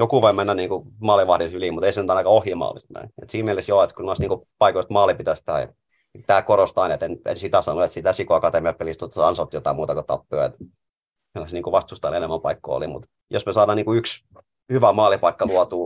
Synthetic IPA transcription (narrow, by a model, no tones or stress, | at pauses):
jokuʋoimenːæniːŋkumɑːliʋɑhdisylimut̪eisenyt̪ɑinɑkɑohjimɑ̰ːlḭst̪næ̰iḛt̪siːmmielesjoet̪kunoˑisniːŋkupɑikoist̪mɑːlipit̪æst̪æ̰ | t̪æːkoɾost̪ɑinet̪enḛnsit̪æsɑnoet̪sit̪æsikoɑkɑt̪emiɑpelist̪ot̪ːɑsɑnsɑt̪jot̪ɑˑimuːt̪ɑkot̪ɑ̰pːøoḛt̪ | kilæseniːkuʋɑst̪ust̪ɑlenemːæmpɑikːo̰o̰lḭmṵt̪ | josmesɑːɾɑniːkuyks | hyʋæmɑːlipɑikːɑluɑt̪uː